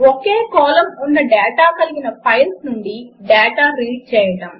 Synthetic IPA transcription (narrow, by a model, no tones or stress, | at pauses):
okeːkɔːlɐmunːɐɖeːʈaːkɐliɡinɐpɐjlsnuɳɖiɖeːʈaːɾiːʈ̚t͡ʃɛːjɐɽɐm